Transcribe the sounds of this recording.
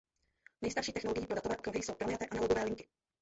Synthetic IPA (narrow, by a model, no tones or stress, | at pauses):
nɛjst̪aɾʃiːt̪ɛxnoloɡɪjiːpɾodat̪ovɛːʔkɾuɦɪjso̞wpɾomɲat̪ɛːʔanaloɡovɛːlɪŋkɪ